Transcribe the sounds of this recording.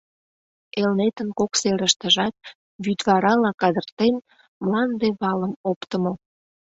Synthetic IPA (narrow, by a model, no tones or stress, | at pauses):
elnet̪ənkokseɾəʃt̪əʒɑt̪̚ | βyd̪βɑɾɑlɑkɑd̪ərt̪en | mlɑnd̪eβɑləmopt̪əmo